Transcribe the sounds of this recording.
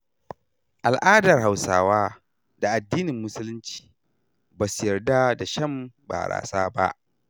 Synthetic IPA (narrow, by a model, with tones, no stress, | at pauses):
ʔa˨lʔaː˦dɐ˨rɦa˨wsaː˦waː˦ | d̥a˨ʔa˨dːiː˦nɪ˨mːʊ˦sʊ˦lʊ˦nt͡ʃi̥ː˨ | baː˨sʊ˨jɐ˨rda˦da˨ʃɐ˦˨mba̰ː˨ɾa̰ː˨saː˦ba̰˦ʔ